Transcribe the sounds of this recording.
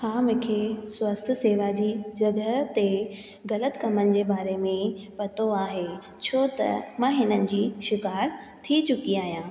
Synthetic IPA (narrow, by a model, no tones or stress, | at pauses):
hãːmʊ̃kʰeːswɐst̪ʰseːʋad͡ʑiːd͡ʑɐɡət̪e | ɣɐlət̪kɐmənɪ̆d͡ʑeːbaːɾemẽpɐt̪oaːɦe | t͡ɕʰoːt̪ɐ̰mãːɦɪnənɪ̆d͡ʑiːʃɪkaːɾ | t̪ʰit͡ɕʊkiaːɦijãː